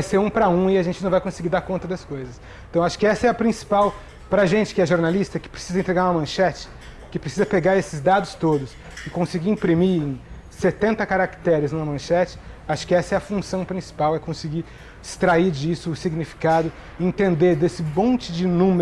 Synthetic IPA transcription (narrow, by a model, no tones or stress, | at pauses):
ajseɾũpɾɐũɪɐʒẽnt͡ʃɪnɐ̃vajkõsɪɡiɾd̪aɾkõnt̪ɐd̪ɐskojzɐs | t̪ɐ̃w̃aʃʊ̥kɪɛsɐɛɐpɾĩsi̥paw | pɾɐʒẽnt͡ʃɪ̥kɪɛʒoɾnalist̪ɐkɪ̥pɾe̥sizɐẽnt̪ɾeɡaɾũɐmɐ̃ʃɛt͡ʃɪ̥ | kɪpɾesizɐpeɡaɾesɪzd̪ad̪ʊst̪od̪ʊs | ɪkõsɪɡiɾĩpɾimiẽ | set̪ẽnt̪ɐkaɾakt̪ɛɾɪznũɐmɐ̃ʃɛt͡ʃɪ̥aʃʊ̥kɪɛsɐɛɐfũsɐ̃w̃pɾĩsi̥pawɛkõsɪɡi | ɪst̪ɾaiɾd͡ʒisʊːsiɡnifi̥kad̪ʊ | ẽt̪ẽnd̪eɾd̪esɪmõnt͡ʃɪd͡ʒɪnũm